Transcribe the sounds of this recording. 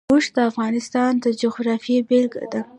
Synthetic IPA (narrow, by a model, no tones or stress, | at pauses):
uʃd̪əafɣɑnɪst̪ɑnd̪əd͡ʒʊxɾɑfebɪlɡd̪a